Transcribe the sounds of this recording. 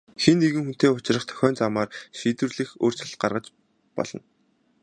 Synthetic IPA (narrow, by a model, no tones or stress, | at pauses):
xenːeɣɘ̆ŋxun̥t̪eːʊt͡ɕ̆rə̆χt̪ʰœ̥xʲœːnt͡samaːrʃiːt̪wɘ̆rɮɘ̆xoːr̥t͡ɕɪ̆ɬt̪ɢarʁə̆t͡ɕ | pɔ̰ɮ̥ɞ̆n